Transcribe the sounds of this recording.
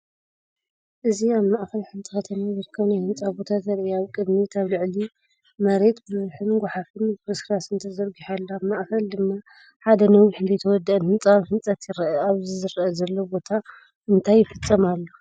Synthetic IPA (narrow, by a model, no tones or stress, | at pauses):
ʔɨziaβmaʔkɐlħɨnt̪ʰʼɨxɐt̪ʰɐmizɨɾkʰːɐβnajhɨnt͡sʼabo̞t̪ʰat̪zɐɾʔiaβkʼɨd̪mit̪ʰaβlɨʕli | mɐɾe̞t̪bɨzħɨnɡʷaħafɨnbɾɨsɾasɨnt̪ʰɐzɐɾɡiħalːoaβmaʔkɐld̪ɨmːa | ħad̪ɐnɐwiħɨnd̪ɐjt̪ʰɐwɔd̪ːɐʔɨnhɨnt͡sʼaβħɨnt͡sʼɐt̪jɪɾɐʔɐaβzizɨɾɐʔɐzɐlːobo̞t̪ʰa | ɨnt̪ʰajːɪfɨt͡sʼːɐmalːo